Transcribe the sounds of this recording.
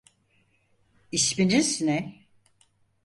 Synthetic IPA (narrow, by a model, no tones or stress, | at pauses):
iʃpininsinɛ